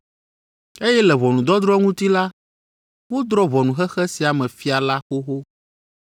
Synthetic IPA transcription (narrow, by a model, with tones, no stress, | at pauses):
e˦jɛ˦lɛ˨βɔ˨nũ˨d̪ɔ˦d̪ɾɔ˦ŋũ˦t̪i˦la˦ | wo˦d̪ɾɔ˦vɔ˨nũ˨xɛ˦xɛ˦si˨a˨mɛ̃˨fi˦a˨la˦xo˦xo˦